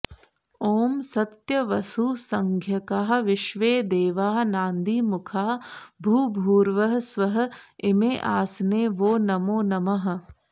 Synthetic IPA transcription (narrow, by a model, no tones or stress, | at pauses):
oːmsɐt̪jɐʋɐsuːsɐŋɡʱjɐkaːɦ̆ʋɪʃʋeːd̪eːʋaːɦnaːnd̪ʱiːmʊkʰaːbʱuːbʱuːɾʋɐɦsʋɐɦɐ̆ɪmeːʔaːsneːʋoːnɐmoːnɐmɐɦ̆